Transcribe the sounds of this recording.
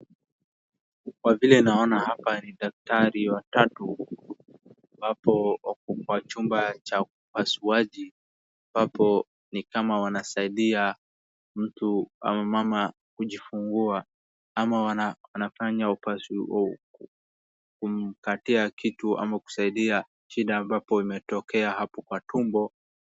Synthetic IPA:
kwavilɛnaɔnahapaniɗak̚taɾiwatatu | bapɔwat͡ʃumbat͡ʃaupasuaʄi | abapɔ | nikamawanasaiɗia | m̩tua̰mamama | kuʄifuŋɡua | amawanawanafaɲaupas | kum̩katiakitua̰maku̥saiɗia | ʃiɗaːmbapɔimɛtɔkɛahapɔkwatumbɔ

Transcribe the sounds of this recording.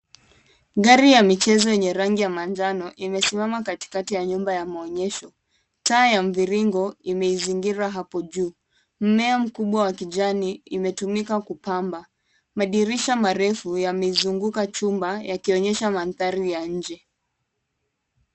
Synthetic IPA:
ɠaɾijamit͡ʃɛzɔjɛɲɛɾaŋɡijamand͡ʒanɔʔimɛsimamakati̥katijaɲumbajamaɔɲɛʃɔ | taːjaɱ̩viɾiŋɡɔimɛiziŋɡiɾaɦapɔʄuː | m̩mɛam̩kuɓwawakiʄaniimɛtumikakupamba | maɗiɾiʃamaɾɛfujamɛizuŋɡukat͡ʃumbajakiɔɲɛʃamanθaɾijaɲ̩d͡ʒɛ

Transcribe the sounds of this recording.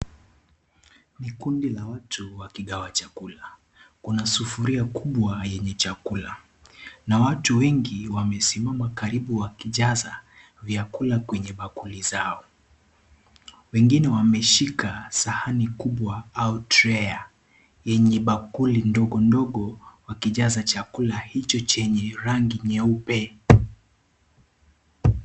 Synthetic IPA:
nikundilawatʰuwakiɠawat͡ʃakula | kunasufuɾiakuɓwajɛɲɛt͡ʃakula | nawatuwɛŋɡiwamɛsimamakaɾiɓuwakiʄaza | vjakulakwɛɲɛɓakulizaɔ | wɛŋɡinɛwamɛʃikasahanikuɓwaautɾɛa | jɛɲɛɓakulindɔɠɔndɔɠɔwakiʄazat͡ʃakulahit͡ʃɔt͡ʃɛɲɛɾaŋɡiɲɛupɛ

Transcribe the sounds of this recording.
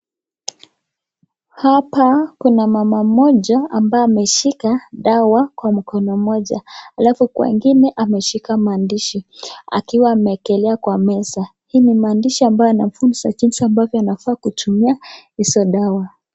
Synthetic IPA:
hapakunamamamɔʄaambaamɛʃikaɗawakwam̩kɔnɔmɔʄa̰halafukwɛ̰ŋɡinɛʔamɛʃikamaːndiʃia̰kiwaːmɛːkɛlɛakwamɛsa | hiːnimaːndiʃiambajɔanafunisaʄinsiambavjɔanafaːkutumiahisɔɗawa

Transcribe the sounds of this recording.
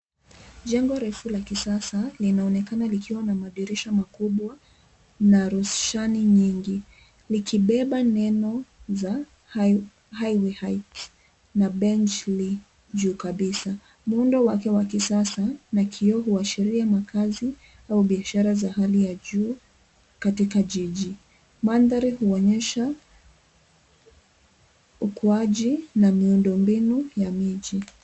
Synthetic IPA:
ʄɛŋɡɔɾɛfulakisasalinaɔnɛkanalikʰiwanamaɗiɾiʃamakuɓwa | naɾusʃaniɲiŋɡi | likʰiɓɛɓanɛnɔza | hajwihajt | naɓɛnt͡ʃli | d͡ʒuːkaɓisa | muundɔwakɛwakisasanakʰiɔɦuaʃiɾiamakʰazi | auɓiaʃaɾazahalijaʄuː | katikaʄiʄi | manðaɾihuɔɲɛʃa | ukuaʄinamiundɔmbinujamiʄi

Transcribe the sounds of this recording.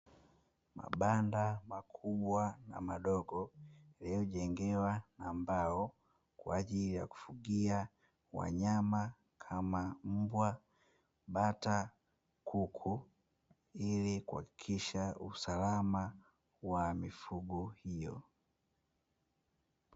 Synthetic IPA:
ma̰ɓandamakʰuɓwana̰maɗɔɡɔliuʄɛŋɡɛwanambaɔ | kwaːʄilija̰ku̥fuɡia | wa̰ɲama | kʰamam̩bwa | ɓata | kʰukʰu | ilikuha̰ki̥kʰiʃausalama | wamifuɡuhijɔ

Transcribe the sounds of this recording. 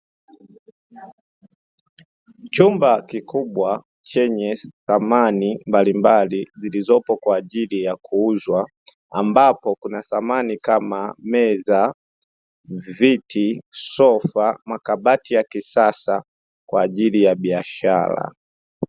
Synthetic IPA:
t͡ʃumbakikuɓwa | t͡ʃɛɲɛθamanimbalimbalizilizɔpɔkwaːʄilijakʰuuzwa | ambapɔkunaθamanikamamɛza | vitisɔfamakabatijakisasa | kwaːʄilijaɓiaʃa̰ɾa̰

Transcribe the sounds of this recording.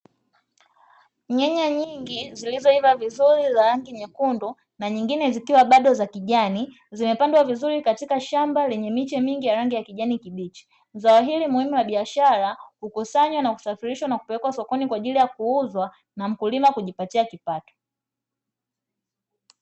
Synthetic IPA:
ɲɛɲaɲiŋɡizilizɔivavizuɾizaɾaŋɡiɲɛkundɔ | naɲiŋɡinɛzikiwaɓaɗɔzakiʄani | zimɛpandwavizuɾikatikaʃambalɛɲɛmit͡ʃɛmiŋɡijaɾaŋɡijakiʄanikiɓit͡ʃi̥ | zawaɦilimuhimuwaɓiaʃaɾahukusaɲwanaku̥safiɾiʃwanaku̥pɛlɛkwasɔkɔnikwaʄilijakuuzwa | nam̩kulimakuʄipatiakipatɔ̥

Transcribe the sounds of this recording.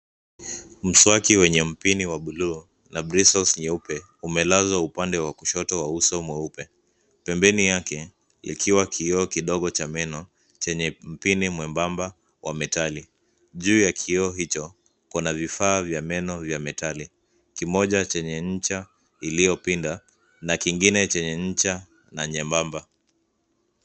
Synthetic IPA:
m̩swakiwɛɲɛm̩piniwaɓuluː | nabɾisɔlsɲɛupɛ | umɛlazwaupandɛwakuʃɔtɔwausɔmwɛupɛ | pɛmbɛnijakɛ | ḭkʰiwakʰiɔkiɗɔɠɔt͡ʃamɛnɔ | t͡ʃɛɲɛm̩pinimwɛmbamba | wʔamɛtali | ʄuːjakʰiɔɦit͡ʃɔ | kunavifaːvjamɛnɔvjamɛtali | kimɔʄat͡ʃɛɲɛɲ̩t͡ʃa | ilijɔpinda | nakiŋɡinɛt͡ʃɛɲɛɲ̩t͡ʃa | naɲɛmbamba

